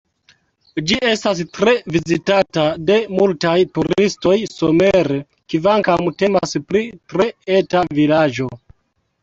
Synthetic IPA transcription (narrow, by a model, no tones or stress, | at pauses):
d͡ʒiʔe̞stas̬tɾe̞vizitatade̞multajtuɾisto̞jsome̞ɾe | kivaŋkamte̞ma̰spɾitɾe̞e̞tavilad͡ʒo̞